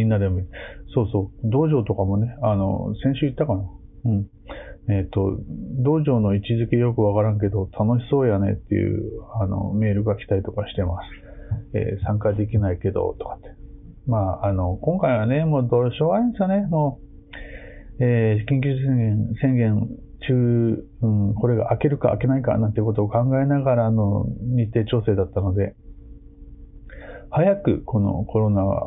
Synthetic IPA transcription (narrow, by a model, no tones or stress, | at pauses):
mĩnːad̪e̞moiso̞ːso̞ːd̪o̞ːʑo̞ːt̪o̞kamo̞ne̞ano̞̰sẽ̞ɕɨit̪ːakana | ɯ̟̃ɴ | eːt̪ːo̞d̪o̞ːʑo̞ːno̞it͡ɕizɨkʲe̞jo̞kɯ̟βakaɾãŋk̬e̞d̪o̞t̪ʰano̞ɕi̥so̞ːjane̞̰t̪ːe̞̰jɯ̟̰ano̰me̞ːɾɯ̟ɡakʲi̥t̪ait̪o̞kaɕi̥t̪e̞masɨ̥ḛːsãŋkad̪e̞kʲinaike̞d̪o̰t̪o̥kḁt̪ːe | maːano̞kõŋkaiβ̞ane̞mo̞ːd̪o̞ːɕo̞ːɡaĩnesɨone̞moː | eːkʲĩŋkʲɨsẽŋɡẽnsẽ̞ŋɡẽ̞n | t͡ɕɨː | ɯ̟̃ɴko̞ɾe̞ɡa̰ʔake̞ɾɯ̟ka̰ːke̞naika̰nãnt̪eko̞t̪oːkãŋɡae̞naɡaɾaːno̞ɲ̟it̪ːe̞ːt͡ɕo̞ːse̞ːd̪at̪ːano̞d̪e̞ | hajakɯ̟kʰo̞no̞̰kʰo̞ɾo̞naa̰